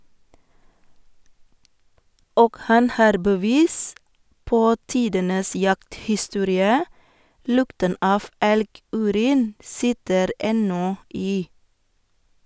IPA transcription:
ˈoːɡ ˈhɑn ˈhɑːɾ bəˈʋiːs ˈpoː ˈtiːdənəs ˈjɑkthɪˌstuːɾɪə ˈlʊktən ˈɑːf ˈɛlˌɡʉːˌɾiːn ˈsɪtəɾ ˈɛnɔ ˈiː

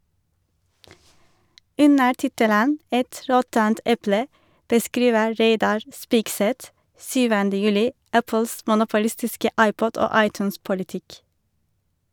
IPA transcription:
ˈʉnə ˈʈɪtələn ˈɛt ˈɾɔtənt ˈɛplə bəˈskɾiːʋə ˈɾeɪdɑɾ ˈspɪkˌsɛt ˈsyːʋəndə ˈjʉːlɪ ˈæpəls mʊnʊpʊˈlɪstɪskə ˈɑɪˌpɔd ˈoː ˈɑɪˌtʉːnspʊlɪˌtɪk

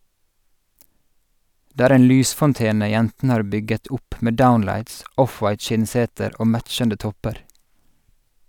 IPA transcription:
ˈdeː ˈæːɾ ˈeːn ˈlyːsfɔnˌteːnə ˈjɛntn̩ə ˈhɑːɹ ˈbʏɡət ˈʊp ˈmeː ˈdaʊnlæɪts ˈʔɔfwɑɪt ˈʃɪnˌseːtəɾ ˈoː ˈmæt͡ʃəndə ˈtɔpəɾ

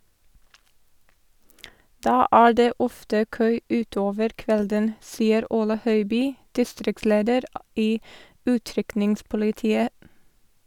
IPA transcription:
ˈdɑː ˈæːɹ ˈdeː ˈɔftə ˈkøː ˈʉːˌtoːʋəɾ ˈkʋɛldən ˈsiːəɾ ˈuːlə ˈhœʏˌbyː ˈdɪstɾɪkˌsleːdəɾ ˈiː ˈʉːˌtɾʏknɪŋspʊlɪˌtiːə

